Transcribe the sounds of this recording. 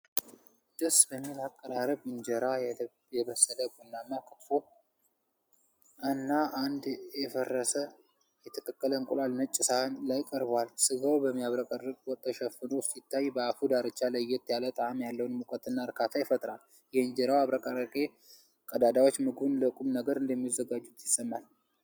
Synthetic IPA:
d̪̥əsbəmːilakʼːəɾaɾəbɨnd͡ʒɛɾaj | jɛbəsːələbunːamːakʰə̥t̪fo | ʔanːaʔand̪ɛfərːəsə | jɛt̪ʰəkʼəkʼːələɨŋkʼulalnət͡ʃʼːɪsanlajkʼəɾbwalsɨɡawbəmːijaβɾəkʼərɨkʼwɔt̪ʰːəʃɛfɨnosit̪ːajbəafud̪aɾɨt͡ʃːaləjɛt̪jalət̪ʼaamjalːəwnmukʼət̪ɨnːaɾkʰat̪ʰajɪfət̪ʼɾal | jɛɨnd͡ʒəɾawaβɾəkʼaɾəkʼe | kʼəd̪ad̪awot͡ʃːmɨɡunləkʼumnəɡəɾɨnd̪əmːizːəɡad͡ʒːut̪jɪsːəmːal

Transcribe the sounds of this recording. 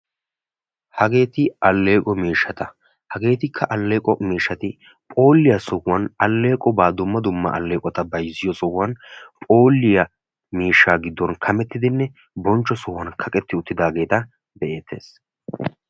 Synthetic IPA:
hɐɡe̞ːt̪ɪɐlːe̞ːkʼɔmiːʃːɐt̪ɐ | hɐɡe̞ːt̪ɪkʰːɐʔɐlːe̞ːkʼɔmiːʃːɐt̪ɪ | pʼo̞ːlːɪjɐsɔwɐnɐlːe̞ːkʼɔbaːd̪ʊmːɐd̪ʊmːɐ̰ʔɐlːeːkʼɔt̪ɐbɐjzːɪjɔsɔwːɐnpʼo̞ːlːɪjɐ | miːʃːaːɡɪd̪ːɔnkʰɐmɛt̪ːɪd̪ɪnːɛ | bɔnt͡ʃːɔsɔwːɐnkʰɐkʼɛt̪ːɪʊt̪ːɪd̪aːɡe̞ːt̪ɐ | d̪ɛʔe̞ːt̪ʰːe̞̰ːs

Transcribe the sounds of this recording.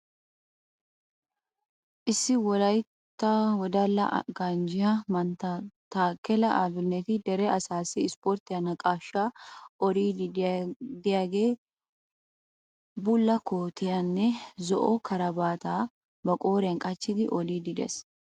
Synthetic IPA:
ʔɪsːɪwɔlɐj | t̪ːawɔd̪ɐlːɐ̰ʔɡand͡ʒɪɐmɐnt̪ɐt̪aːkːɛlɐʔɐbɪnːɛt̪ɪd̪ɛɾɛʔɐsaːsiɪspoːɾt̪ɪɐnɐkʼaːʃːaːɔɾiː | d̪ɪjaɡeː | bʊlːɐkoːt̪ɪjɐnːɛzɔʔokʰɐɾɐbaːt̪aː | bɐkʼoːɾɛŋkʼɐt͡ʃːɪd̪ɪʔɔliːd̪ɪd̪ɛ̰s

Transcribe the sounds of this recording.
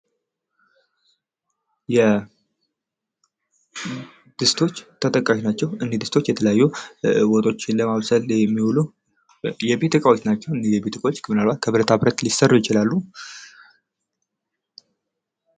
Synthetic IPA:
jɛ | d̪̥ɨst̪ʰo̞t͡ʃːt̪ʰət̪ʼəkʼːaʃinat͡ʃːɛwɨnd̪id̪ɨst̪ʰot͡ʃːjɛt̪ʰələjajːuwɔt̪ʼo̞t͡ʃːɪnləmaβsəljɛmːiwulu | jɛbet̪ʰəkʼawot͡ʃːnat͡ʃːɛwɨnijɛbet̪ʰəkʼawot͡ʃːkʰəmɨnalbat̪̚kʰəβɨɾət̪ʰabɨɾət̪lisərːujɪt͡ʃɪlalːu

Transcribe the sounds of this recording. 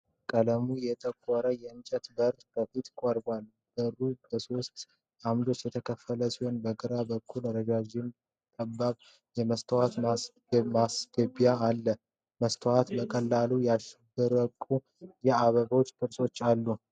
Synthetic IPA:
kʼələmujɛt̪ʼəkʼːɔɾəjɛɨnt͡ʃʼət̪bəɾt̪ʼbəfit̪kʷʼəɾbal | b̥əɾubəso̞st̪ | ʔamd̪o̞t͡ʃːjɛt̪ʰəkʰəfːələsihonbəɡɨɾabəkʰːulɾəd͡ʒad͡ʒɪn | t̪ʼəbːaβ | jɛməst̪ʰəwat̪ma | masɡ̥əbjaːlːə | məst̪ʰəwat̪bəkʼəlːalujaʃɛbːɨɾəkʼːu | jɛaβəβo̞t͡ʃːkʰɨɾso̞t͡ʃːalːu

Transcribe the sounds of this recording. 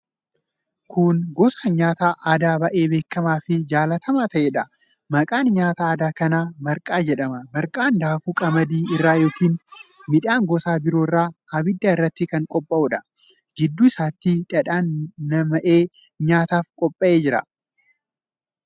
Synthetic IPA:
kʰʊnɡɔsɐɲaːt̪aːʔːd̪aːbɐʔe̞ːbe̞ːkːɐmaːfɪd͡ʒaːlɐt̪ʰɐmaːt̪ɐʔeːᶑɐ | mɐkʼaːnɲaːt̪aaːd̪aːkɐnaːmɐɾkʼaːd͡ʒɛᶑɐmɐmɐɾkʼaːnd̪aːkuːkʼɐmɐd̪iːɪrːaːjo̞ːkiːnmɪᶑaːŋɡɔsaːbɪɾo̞ːrːaːɐbɪd̪ːaɪrːɐt̪ːɪkɐŋkʼɔpʼːɐʔuːᶑɐ̥ | ɡɪd̪ːuːɪsaːt̪ːiᶑɐᶑaːnːɐmɐʔe̞ː | ɲaːt̪aːfkʼɔpʼːɐʔe̞ːd͡ʒɪɾɐ

